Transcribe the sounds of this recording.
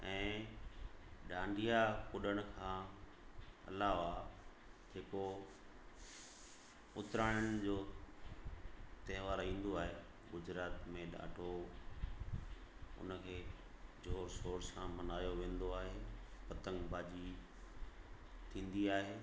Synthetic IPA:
ɛ̃ː | ɗãːɳɖijakʊɗəɽ̃ʊkʰãː | ɐ̰laːʋa | ɦeːko | ʊt̪ɾaːɪəɽ̃d͡ʑoː | t̪eːʋaːɾĩːn̆d̪oaːɦeː | ɡʊd͡ʑɾaːt̪mẽɗa̰ːɖʱo | ʊ̰nəkʰeː | d͡ʑʱoːɾsoːɾsãmɐnaːjoʋẽːn̆d̪oaːɦeːpɐt̪ə̃ŋɡbʱaːd͡ʑi | t̪ʰĩːn̆d̪iaːɦeː

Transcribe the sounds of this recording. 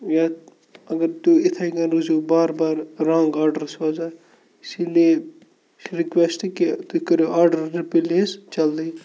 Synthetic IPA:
ja | ɐɡəɾt̪uɪt̪ʰaikɐ̃nɾuzuːbaːɾbaːɾɾãːŋɡaːɾɖəɾsoːd͡ʒaː | sileː | ɾɪkʋɛsʈkit̪ukɐɾoaːɾɖəɾːɪpileːst͡ʃɐld̪i

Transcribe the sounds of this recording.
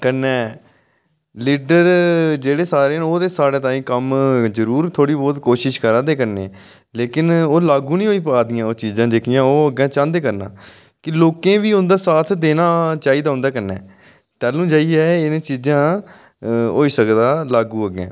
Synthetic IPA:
kənːɛː | liːɖəɾd͡ʒeːɽeːsaːɾeːnoːd̪eːsaːɽẽːt̪ãːĩːkəmzəɾuːɾt̪ʰoːɽiːbɔːt̪koːʃɪʃkəɾãːd̪eːkəɾneː | leːkɪnoːlaːɡũːnĩːɦoːiːpəaːd̪ɪjãːoːt͡ʃiːzãːd͡ʒeːkɪjãːoːəɡɛ̃ːt͡ʃãːnd̪eːkəɾna̰ː | kɪloːkẽːʋiːʊ̃nd̪aːsaːt̪ʰd̪eːnaːt͡ʃaːiːd̪aːɦʊ̃nd̪aːkənːɛː | t̪ɛːlũːd͡ʒaːiːɛːɪnẽːt͡ʃiːzãː | ɦoːiːsəkd̪aːlaːɡũːəɡɛ̰̃ː

